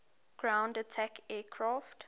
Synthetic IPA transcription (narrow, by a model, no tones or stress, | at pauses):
ɡ̥ɹãʊ̃ndətʰakʰɛːkʰɹaft